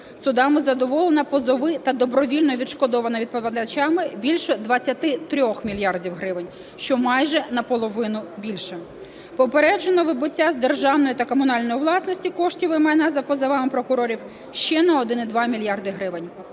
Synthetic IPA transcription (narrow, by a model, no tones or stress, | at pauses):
sʊd̪ɑmɪzɐd̪ɔʋɔlˠenɐpɔzɔʋɪt̪ɐd̪ɔbɾɔʋʲilʲnɔʋʲidʃkɔd̪ɔʋɐnɐʋʲid̪pɐʋʲɐd̪ɐt͡ʃʲɑmɪbʲilʲʃɔd̪ʋɐt͡sʲːɐt̪ɪt̪ɾʲɔxmʲilʲjɑrdʲiwɦɾɪʋɪnʲ | ʃt͡ʃɔmɑjʒɛnɐpɔlˠɔʋɪnʊbʲilʲʃɛ | pɔpeɾɛd͡ʒenɔʋɪbʊtʲːazd̪erʒɑwnɔjit̪ɐkɔmʊnɑlʲnɔjiʋlˠɑsnɔsʲtʲikɔʃtʲiʋɪmɛnɐzɐpɔzɐʋɑmɪpɾɔkʊɾɔɾʲiw | ʃt͡ʃɛnɐɔd̪ɪnɪd̪ʋɑmʲilʲjɑrd̪ɪɦɾɪʋɪnʲ